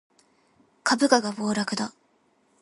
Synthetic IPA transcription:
kʰabɯ̟kaɡabo̞ːɾakɯ̟d̪a

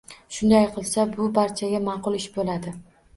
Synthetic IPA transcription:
ʃʊnd̪ajqʰɨlˠsabʊbaɾt͡ʃʰaɡʲamɑqʊlˠɪʃbolad̪ɪ

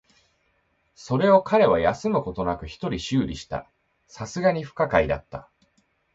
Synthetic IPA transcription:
so̞ɾe̞o̞kʰaɾe̞β̞ajasɨmɯ̟ko̞t̪o̞nakɯ̟çi̥t̪o̞ɾʲiɕɨːɾʲiɕi̥t̪a̰ | sasɨɡaɲ̟iɸɯ̟̥kakaid̪a̰t̪ːa̰

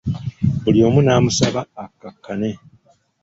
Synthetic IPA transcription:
buljo̞ːmunaːmusaβaːkːakːane̞

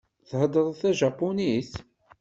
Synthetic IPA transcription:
θhəd̪əðˤθæʒɑpːunis

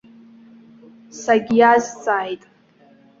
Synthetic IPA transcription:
saɡʲijazt͡sʼaːjtʼ

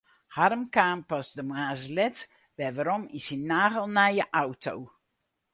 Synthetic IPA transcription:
harmkaːmpɔsdəmaːzəlɛt | ʋɛʋaɾɔmisinːaːɣəlˠnɛjəʔawtʰow

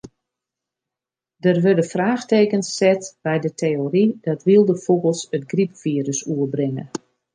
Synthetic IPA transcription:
dərʋødəfraːxteːkənsːɛtbɛjdətʰeːoɾidɔtʋilˠdəfubəlˠsətɡripfiəɾəsuəbrɪŋə̰

